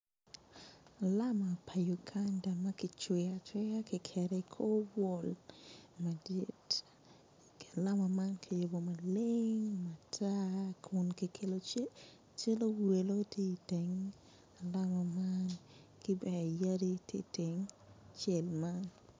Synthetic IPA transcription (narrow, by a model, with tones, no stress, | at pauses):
a˨la˦ma˨pʰa˨ju˨kʰa˦nda˨ma˦kɪ˨t͡ʃwɪ˨a˨t͡ʃwe˦a˦kɪ˨kʰɛ˨ɾɛ˨ikʰo˦bɔ˦lma˨dɪ˦t | ke˨la˦ma˨ma˦nkʰɪ˨jo˨bo˨ma˨lɪŋma˨tʰa˦kʰʊ˨nki˨kʰe˨lo˦t͡ʃe˦ | t͡ʃe˦lo˦wɾe˨lo˦te˦i˨te˨ŋ | a˨la˦ma˨mankɪ˦bɛ˨a˨ja˦di˦tjḛ˦te˨ŋ | t͡ʃɛ˨lma˦n